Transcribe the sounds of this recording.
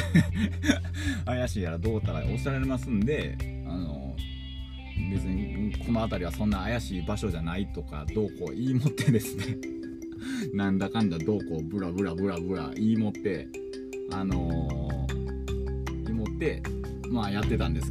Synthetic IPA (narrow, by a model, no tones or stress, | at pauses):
ajaɕiːaɾad̪o̞ːt̪aɾaʔosaɾaɾemasɨ̃nd̪e̞ | ano̞̰ | be̞t͡sɨɲ̟ikʰo̞no̞at̪aɾʲiβasõ̞nːaːjaɕiːbaɕo̞ʑanait̪o̞ka̰d̪o̞ːko̞ʔiːmo̞t̪ːe̞d̪e̞sɨne̞ | nãnd̪akãnd̪ad̪o̞ːko̞bɯ̟ɾabɯ̟ɾabɯ̟ɾabɯ̟ɾa̰ʔiːmo̞t̪ːe̞ | ano̞ | imo̞t̪ːe̞ | maːjat̪ːe̞t̪ãnd̪esɨ̥